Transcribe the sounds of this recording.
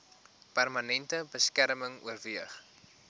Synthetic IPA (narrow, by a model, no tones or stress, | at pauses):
pærmɐnɛntəbəskæɾməŋṵərviəχ